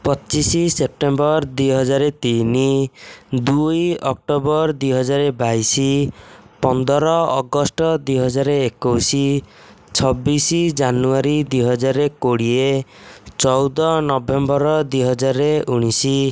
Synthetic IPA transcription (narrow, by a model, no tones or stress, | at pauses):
pɔt͡ʃisisep̚ʈembɔɾd̪ujɦɔd͡ʒaɾet̪ini | d̪ujɔk̚ʈobɔɾd̪ujɦɔd͡ʒaɾebajsipɔnd̪ʱɔɾɔɔ̰ɡɔsʈɔd̪ujɦɔd͡ʒaɾeekowsi | t͡ʃʰɔbːisid͡ʒanuaɾid̪ujɦɔd͡ʒaɾekoɽiet͡ʃɔwd̪ɔnɔbembɔɾɔd̪ujɦɔd͡ʒaɾeuɽ̃isi